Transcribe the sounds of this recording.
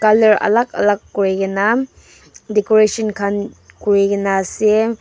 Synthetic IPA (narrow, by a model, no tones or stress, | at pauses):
kalɐɾɐ̰lak̚ɐ̰lakːuɾeɡɐna | dekoɾesɔnkʰan | kuɾeɡɐnase